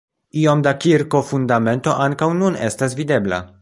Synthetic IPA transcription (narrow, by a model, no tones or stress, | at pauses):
io̞mdakiɾko̞fundame̞nto̞ʔaŋkawnune̞stas̬vide̞bla̰